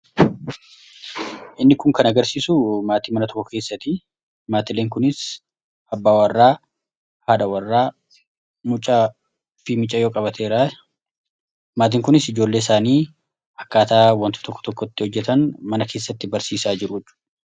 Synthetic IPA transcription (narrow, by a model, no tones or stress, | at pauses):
ʔɪnːɪkʊŋkɐnɐɡɐɾsiːsʊmaːt̪iːmɐnɐt̪ɔ̥kːɔke̞ːsːɐt̪ɪ | maːt̪ɪlːeːŋkʊnɪs | ɐbːaːwɐrːaː | haːd̪ɐwɐrːaː | mʊt͡ʃʼɐ | fɪmɪt͡ʃʼːɐjoːkʼɐbɐt̪ʰeːɾa | maːt̪̬iːŋkʊnɪsɪd͡ʒo̞ːlːe̞ːɪsaːniː | hɐkːaːt̪aːwɐnt̪ʊ̥t̪ɔkːɔ̥t̪ɔkːɔt̪ːɪhɔd͡ʒːɛt̪ɐnmɐnɐkʰe̞ːsːɐt̪ːɪbɐɾsiːsaːd͡ʒɪɾʊɪt͡ʃːʊ̥